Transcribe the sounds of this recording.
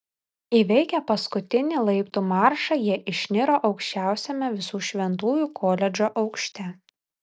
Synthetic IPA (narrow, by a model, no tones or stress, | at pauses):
iʋʲɛɪkʲɛpɐskʊt̪ʲɪnʲiːlˠɐɪpt̪uːmɑˑɾʃɑjiɛʔɪʃʲnʲɪɾoːʔɒʊkʃʲt͡ʃʲæˑʊsʲɛmʲɛʋʲɪsuːʃʲʋʲɛnt̪uːjuːkʰoːlʲɛd͡ʒʲoːʔɒʊkʃʲt̪ʲɛ